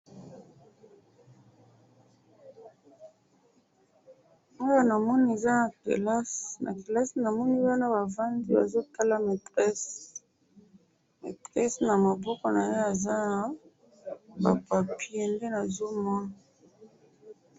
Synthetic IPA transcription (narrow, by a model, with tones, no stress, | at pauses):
o˦ja˦na˨mɔ˦ni˦e˨za˦na˨kḛ˨la˦snʔa̰˨ke˨la˦sna˨mɔ˦ni˦wa˦na˦ba˨va˦ndi˦ba˨zo˦ta˦la˦me˨tʁɛ˦s | mḛ˨tʁɛ˦sna˨ma˨bɔ˦kɔ˨na˨je˦a˨za˦na˨ | ba̰˨pa˨pi˦e˨nde˦na˨zo˦mɔ˦na˨